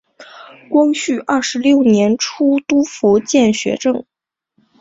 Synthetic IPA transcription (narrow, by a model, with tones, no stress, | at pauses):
kwɑ˥ŋɕy˥˩ʔɐ˥˩ʂɻ̩˧˥ljo˥˩ʊnjɛ˧˥nʈ͡ʂʰu˥t̪u˥fu˧˥t͡ɕjɛ˥˩nɕɥɛ̰˧˥ʈ͡ʂɤ˥˩ŋ